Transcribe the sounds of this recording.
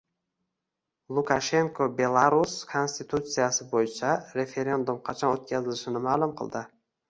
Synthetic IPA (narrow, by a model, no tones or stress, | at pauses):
lˠʊkʰaʃe̞ŋkʰobe̞lˠaɾuskʰo̞nst̪ɪt̪ʰut̪sijasɪbojɪt͡ʃʰaɾe̞fe̞ɾe̞nd̪umqʰɑt͡ʃʰɒnot̪̚kʲʰazɪlɪʃɪnɪmaːlˠʊmqʰɨ̰lˠd̪ɪ